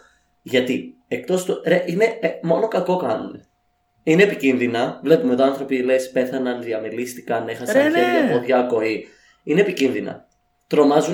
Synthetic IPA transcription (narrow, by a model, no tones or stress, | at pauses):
ʝɐt̪i | ek̚t̪o̞st̪uɾeʔine̞mo̞no̞kɐko̞kɐnune | ine̞ːpicinðinɐvle̞pumet̪iɐnθɾo̞pile̞spe̞θɐnɐnðiɐmelist̪i̥kɐne̞xɐsɐejɐpoðʝɐko̞i | ine̞ːpicinðinɐ̰ | t̪ɾo̞mɐzu